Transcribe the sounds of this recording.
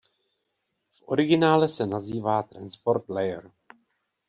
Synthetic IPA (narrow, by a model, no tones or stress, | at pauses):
fʔo̞̰ɾɪɡɪnaːlɛsɛnaziːvaːt̪ɾa̰nspo̞ɾt̪lɛjɛɾ